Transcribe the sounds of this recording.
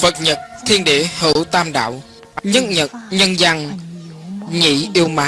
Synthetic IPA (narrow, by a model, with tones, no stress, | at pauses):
fə˨˩t̚ɲə˨˩t̚t̪ʰi˧ənɗḛ˧˨əhə̰˧˨˦wt̪aː˧mɗa̰ː˧˨w | ɲə˦˥t̚ɲə˨˩t̚ɲə˧nza˧ŋ | ɲḭ˧˩ʔi˧əwmaː˨˦